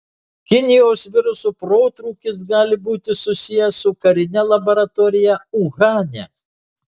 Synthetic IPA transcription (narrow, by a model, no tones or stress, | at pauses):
kʲɪnʲɪjoːsʋʲɪɾʊsupɾoːt̪ɾuːkʲɪs̬ɡɑːlʲɪbuːt̪ʲɪsʊsʲɪjɛsʊkɐɾʲɪnʲɛlˠɐbɔɾɐt̪oːɾʲɪjɛuɣɑːnʲɛ